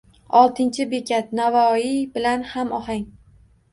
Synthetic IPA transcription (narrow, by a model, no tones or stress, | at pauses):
ɒlˠt̪ʰɪnt͡ʃʰɪbekʲʰat̪̚navɒibɪlanhamɒhaŋ